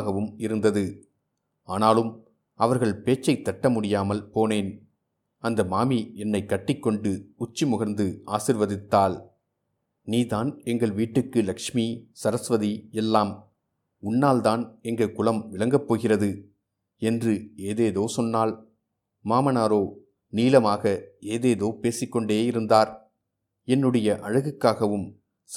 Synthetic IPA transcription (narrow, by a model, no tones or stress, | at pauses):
ɣɐʋɯmɪɾɯnd̪ɐðɯ | aːnaːlɯm | ɐʋɐɾɣɐɭpeːt͡ʃːɐɪt̪ːɐʈːɐmʊɽɪjaːmɐlpoːneːn | ɐnd̪ɐmaːmiɛnːɐɪkːɐʈːɪkːɔɳɖɯʊt͡ʃːimʊɣɐɾnd̪ɯaːsɪɾʋɐðɪt̪ːaːl | niːðaːnɛŋɡɐɭʋiːʈːɯkːɯlɐkʂmisɐɾɐsʋɐðiɛlːaːm | ʊnːaːld̪aːnɛŋɡɐkʊlɐmʋɪɭɐŋɡɐpːoːɣɪrɐðɯ | ɛndrɯeːðeːðoːsɔnːaːl | maːmɐnaːɾoː | niːlɐmaːɣɐeːðeːðoːpeːsɪkːɔɳɖeːɪɾɯnd̪aːɾ | ɛnːɯɽɐjɐʔɐɻɯɣɯkːaːɣɐʋɯm | s